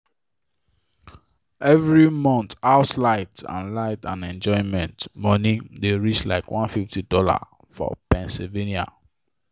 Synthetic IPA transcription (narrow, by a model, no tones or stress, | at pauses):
ɛvɹimɔ̃nt̪aʊtlaɪtã̰nlaɪtãnɛ̃nd͡ʒɔ̃ɪ̃nmɛ̃ntmɔnideɹit͡ʃla̰ɪkwɔ̃nfiftidɔla̰ | fɔ̰pɛ̃nsilvenia̰